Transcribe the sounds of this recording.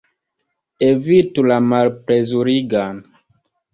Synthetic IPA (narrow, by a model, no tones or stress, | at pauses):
evitulamalpɾezuɾiɡan